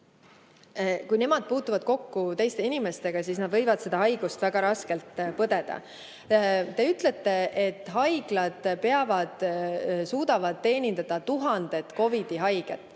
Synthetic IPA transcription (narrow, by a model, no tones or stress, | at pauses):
kujne̞mɑd̪̥̚puːt̪ːˑuvɑd̪̥̚ko̞kːut̪e̞jst̪e̞inimest̪e̞ɡ̥ɑsiːsnɑd̪vɤ̞jvɑd̪̥se̞d̪ɑɦɑjɡ̥ust̪væɡ̥ɑɾɑske̞lt̪pɤd̪e̞d̪̥ɑ̰ | t̪e̞yt̪ˑle̞t̪ːe̞ʔet̪ːˑɦɑjɡ̥lɑd̪̥pe̞ɑvɑd̪̥suːd̪̥ɑvɑd̪̥t̪ːe̞ːnʲind̪ɑd̪̥ɑt̪uɦɑnd̪̥e̞t̪ko̞vid̪̥iɦɑjɡ̥ḛt̪ːˑ